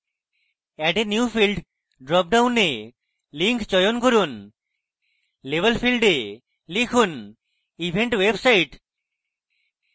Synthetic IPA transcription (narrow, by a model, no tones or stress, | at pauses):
ɛʈenjuufilɖ | ɖɾɔp̚ɖawne | liŋkt͡ɕɔjonkoɾun | lebelfilɖe | likʰun | ibʱeɳʈwebsaiʈ